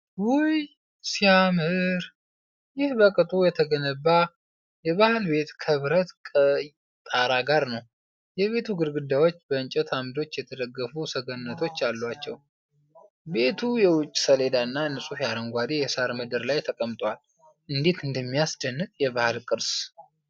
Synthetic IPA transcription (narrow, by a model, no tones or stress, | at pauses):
wʊj | siamɨɾ | jɪhbəkʼɨt̪ʼujɛt̪ʰəɡənəbːa | jɛβahɨlbe̞t̪kʰɨβɾət̪kʼə | t̪ʼaɾaɡaɾnəw | jɛβe̞t̪ʰuɡɨɾɡɨd̪ːawo̞t͡ʃːbəɨnt͡ʃʼɛt̪ʰamd̪o̞t͡ʃːjɛt̪ʰəd̪əɡːəfusəɡənnːət̪ʰo̞t͡ʃːalːwat͡ʃːɛ̰w | be̞t̪ʰujɛwʊt͡ʃʼːsəled̪aɨnːanɨsʼufjaɾəŋɡʷad̪ejɛsaɾmɨd̪ɨɾlajt̪ʰəkʼəmt̪ʼwal | ʔɨnd̪et̪ɨnd̪əmːijasd̪ənːɨkʼjɛβahɨlkʼɨɾs